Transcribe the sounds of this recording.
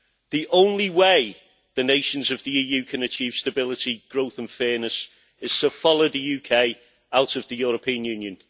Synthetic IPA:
ðiʔõʊ̃nliweɪ | ðəneɪʃə̃nzəvðiiːjʉːkʰə̃nət͡ʃʰiːv̥stəbɪlɪtiɡ̥ɹoʊθə̃nfɛːnəs | ɪz̥tʰəfɒloʊðəjʉːkʰeɪ | aʊtəvðəjɔːɹəpʰĩə̃njʉːnjə̃n

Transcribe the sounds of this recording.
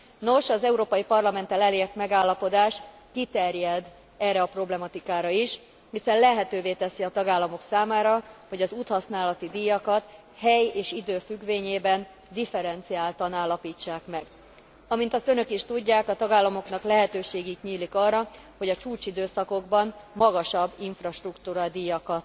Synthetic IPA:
no̞ʃɒzɛuɾoːpɒjipɒrlɒmɛnt̪ɛlɛleːrt̪mɛɡaːlːɒpo̞d̪aːʃt̪ | kit̪ɛrjɛd̪ | ɛːrːɛɒpro̞blɛmɒt̪ikaːɾɒiʃ | hisɛnlɛɦɛt̪øːveːt̪ɛsiɒt̪ɒɡaːlːɒmo̞ksaːmaːɾɒho̞ɟɒzuːt̪hɒsnaːlɒt̪id̪ijɒkɒt̪ | hɛjeːʃid̪øːfyɡʋeːɲeːbɛn | d̪ifɛɾɛnt̪siaːlt̪ɒnaːlːɒpiːt͡ʃːaːkmɛɡ | ɒmint̪ɒst̪ø̞nø̞kiʃt̪uɟːaːkɒt̪ɒɡaːlːɒmo̞knɒklɛɦɛt̪øːʃeːɡik̪ɲiːlikɒrːɒhoɟɒt͡ʃuːt͡ʃid̪øːsɒko̞ɡbɒnmɒɡɒʃɒbːiɱfrɒʃt̪rukt̪uːɾɒd̪ijɒkɒt̪

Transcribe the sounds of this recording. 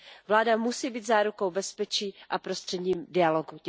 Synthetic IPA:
vlaːdamusiːbiːt̪zaːɾuko̞wbɛspɛt͡ʃiːʔapɾo̞st̪r̝̥ɛdɲiːmdɪaloɡu

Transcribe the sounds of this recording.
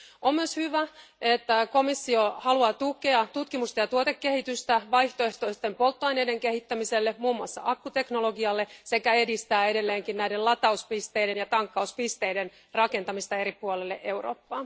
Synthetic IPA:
ommyøshyʋæet̪ːæko̞misːiohɑluɑːt̪uke̞ɑt̪ut̪kimust̪ɑjɑt̪uot̪ekːehit̪yst̪æʋɑjht̪oeht̪oest̪empo̞lt̪ːoɑjne̞ide̞ŋkehit̪ːæmiselːemuːmːuɑsːɑ̰ʔɑkːut̪e̞knolo̞ɡiɑlːe̞se̞kæe̞dist̪æːe̞ɾe̞lːeːŋkinnæidellɑt̪ɑuspist̪ejde̞njɑt̪ɑŋkːɑuspist̪e̞ide̞n | rɑke̞nt̪ɑmist̪ɑe̞ɾipuolelːḛʔe̞wro̰ːpːɑː

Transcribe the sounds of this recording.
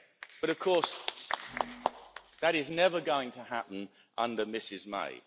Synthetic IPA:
b̥ʌɾʌv̥kʰɔˑs | ðəɾɪznɛvəɡəʊɪ̃ŋtʰəhapn̩ | ʔʌ̰̃ndəmɪsɪzmḛɪ

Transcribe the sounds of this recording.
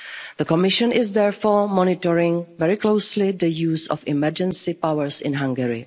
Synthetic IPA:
ð̥əkɔmɪʃə̃nɪzðɛɹfoːɹmɔnɪtɔɹɪ̃ŋvɛɹɪkloʊslɪðəjuːsɔ̰fɪmɛɹd͡ʒɛ̃nsɪpawəɹsɪ̰̃nɦãŋɡɛɹɪ̰

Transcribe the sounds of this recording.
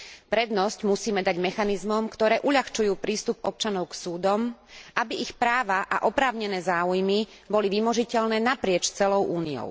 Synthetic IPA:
pɾɛd̪nɔscmusiːmɛd̪aɟmɛxanizmɔmkt̪ɔɾɛːʔuʎaxt͡ʃujuːpɾiːst̪upɔp̚t͡ʃanɔʊksuːd̪ɔmʔabiixpɾaːʋaʔa̰ʔɔpɾaːʊɲɛnɛːzaːujmi | bɔliʋimɔʒicɛʎnɛːnapɾɪɛt͡ʃt͡sɛlɔʊʔuːniɔ̰ʊ

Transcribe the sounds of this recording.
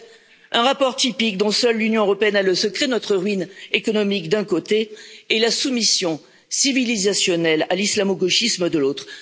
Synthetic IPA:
ɛ̃ʁapɔʁt̪ipik̚d̪ɔ̃sœlːynjɔ̃øʁɔpeɛnaləsəkχenɔt̪χəʁɥinekɔnɔmikd̪ɛ̃kot̪eːlasumisjɔ̃ | sivilizasjɔnɛlalislamoɡɔʃisməd̪əlot̪χ

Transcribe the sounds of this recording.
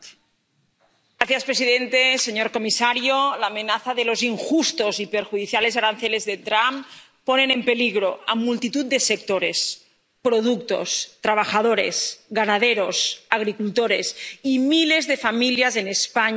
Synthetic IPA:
ɾaθjaspɾesiðent̪eseɲoɾkomisaɾjolaːmẽnaθaðelo̞ziŋxust̪o̞zipeɾxuðiθjale̞zaɾan̟θelezðet̪ɾam | ponenempe̞liɣɾoa̰mult̪it̪ut̪̚d̪esek̚t̪oɾes | pɾoðuk̚t̪o̞̰st̪ɾaβ̞axaðoɾḛsɣanaðeɾosaɣ̞ɾikult̪oɾesimile̞zðe̞familjazenespaɲ

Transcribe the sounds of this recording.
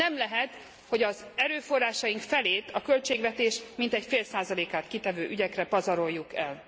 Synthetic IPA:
ɛmlɛɦɛt̪ | ho̞ɟɒzɛɾøːfo̞rːaːʃɒjiŋkfɛleːt̪ɒkø̞lt͡ʃeːɡʋɛt̪eːʃmint̪ɛcfeːlsaːzɒleːkaːt̪kit̪ɛvøːʔyɟɛkrɛpɒzɒɾo̞jːukɛl

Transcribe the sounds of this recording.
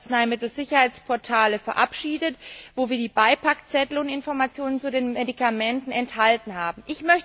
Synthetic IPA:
t͡snaɪmɪtl̩z̥ɪçɐhaɪt͡spʰɔɐtʰaːləfɛɐʔa̰pʃiːdətvoːviːɐdiːbaɪpʰakt͡sɛtl̩ʊnɪnfɔɐmat͡sjoːnənt͡sudeːnmedikamɛntn̩ɛnthaltn̩haːbm̩ʔɪçmœç

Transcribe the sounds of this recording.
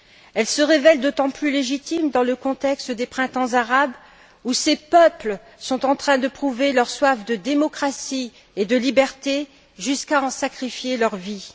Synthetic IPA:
ɛlsəʁevɛld̪ot̪ɑ̃plyleʒit̪imd̪ɑ̃ləkɔ̃t̪ɛkst̪d̪epχɛ̃t̪ɑ̃zaʁab | usepœplə | sɔ̃t̪ɑ̃t̪χɛ̃d̪əpχuvelœʁswafd̪əd̪emɔkχasi | ed̪əlibɛʁt̪e | ʒyskaɑ̃sakχifjelœʁvi

